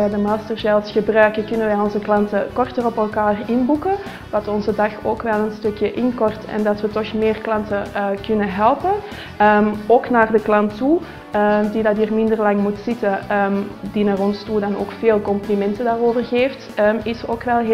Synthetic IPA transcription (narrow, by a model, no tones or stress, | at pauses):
ɛdəmaːstərzɛlˠsxəbrœɥkəkʏnənʋɛjɔnzəklɑntəkɔrtərɔpɛlˠkaːrɪnbukə | ʋɑtɔnzədɑxoːkʋɛlˠənstɵkjəʔɪnkɔrtɛ̰ndɑtʋətɔxmɪːrklɑntəkʏnəɦɛlˠpə | əmoːknaːrdəklɑntːu | ədidɑtiːrmɪndərlɑŋmutsɪtəəmdinaːrɔnstudɑno̰ːkfeːlˠkɔmplimɛntədaːroːvərɣeːftəɪsoːkʋɛlˠɦ